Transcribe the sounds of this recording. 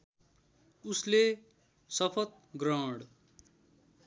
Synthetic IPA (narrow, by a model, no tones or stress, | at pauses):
usle | sʌpʰʌt̪̚ | ɡrʌwɽ